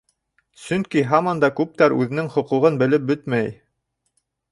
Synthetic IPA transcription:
sɵŋkiɦɑmɑnd̪ɑkʉp̚t̪æɾʉ̰ðɘ̆nɘŋχŏquʁɤnbɘ̆lɘp̚bɵt̪mæj

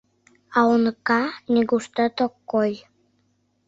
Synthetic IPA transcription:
ɑonɤkɑnʲiɡuʃt̪ə̆t̪okːoj

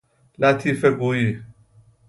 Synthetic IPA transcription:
latʰifɛɡoji

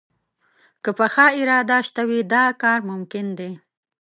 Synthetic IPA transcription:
kəpəxɑɪɾɑd̪aʃt̪awid̪ɑkɑɾmʊmkɪnd̪e

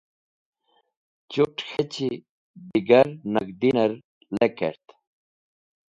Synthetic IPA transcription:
t͡ɕuʈxet͡ɕi | b̪iɡɐɾnɐɡd̪inɐɾ | lekḛɾt̪

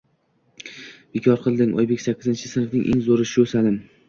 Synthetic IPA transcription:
b̥ekʰɒɾqʰɨlˠd̪ɪŋʔɒ̰jbekʲsakʲʰːɪzɪnt͡ʃʰɪ̥sɪnfnɪŋʔḛŋzoɾɪʃɪɵsalɪm

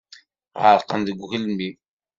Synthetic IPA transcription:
ʁəɾqənðəɡʷxəlmi

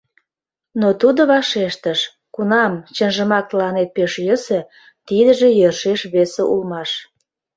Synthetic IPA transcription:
not̪ud̪oβɑʃeʃt̪əʃ | kunɑmt͡ɕənʒəmɑk̚t̪əlɑnet̪̚peʃjəsə̆ | t̪id̪əʒejørʃeʃβeseʔulmɑʃ

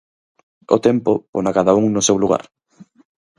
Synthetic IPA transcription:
o̰t̪ɛmpoponakaðauŋnʊsewluɣa̰ɾ

